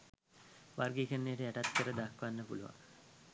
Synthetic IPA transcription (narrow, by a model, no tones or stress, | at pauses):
ʋarɡikənːejːʈəæʈat̪kəɾəd̪akʋanːəpuluʋa̰ŋ